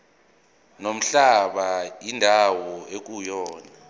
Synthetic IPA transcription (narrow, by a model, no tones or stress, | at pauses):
nom̩ɬaɓaindʱawɔek̬ujɔːna